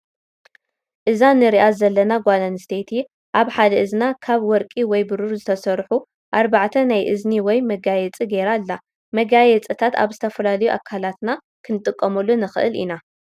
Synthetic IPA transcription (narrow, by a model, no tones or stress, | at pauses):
ʔɨzanɨɾiʔazɐlːɐnaɡʷalanɨst̪ʰet̪ʰi | ʔaβħad̪ɐɨznakʰaβwɔɾkʼiwɔjbɨɾuɾzɨt̪ʰɐsɐɾħu | ʔaɾbaʕt̪ʰɐnajʔɨzniwɔjmɐɡajɛt͡sʼiɡeɾalːa | mɐɡajɛt͡sʼɨt̪ʰat̪a̰βzɨt̪ʰɐfɐlalɐjuʔakʰːalat̪na | kʰɨnɨt̪ʼɨkʼːɐmɐlːunɨxɨ̰ʔɨ̰lḭna